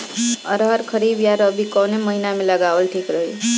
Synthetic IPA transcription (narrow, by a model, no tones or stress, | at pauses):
ə̰ɾɦəɾkʰəɾibjaɾəbʱikɔneməɦinamelaɡaʋəlʈʰikɾəɦu